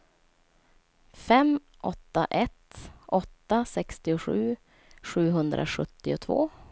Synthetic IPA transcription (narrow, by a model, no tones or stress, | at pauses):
fɛm | ʔɔt̪ːa̰ʔɛt̪ʔɔt̪ːasɛkst̪ɪʊɧʉ̟ː | ɧʉ̟ːɦɵnd̪ɾʔa̰ɧɵt̪ːɪʊt̪ʰvo̰ː